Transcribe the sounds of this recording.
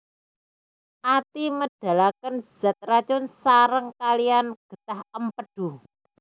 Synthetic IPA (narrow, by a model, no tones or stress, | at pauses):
ʔat̪iməɖ̥a̤lakənz̥ɛ̤t̪̚rat͡ʃʊnsaɾəŋkalijanɡ̥ə̤t̪ahəmpəɖ̥u